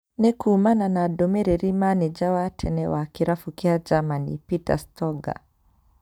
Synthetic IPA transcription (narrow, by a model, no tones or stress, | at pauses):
nɛkuːmananadɔmɛɾɛɾimanɛd͡ʒawatʰɛnɛwakiɾafukiad͡ʒamanḭpita̰stɔɡa̰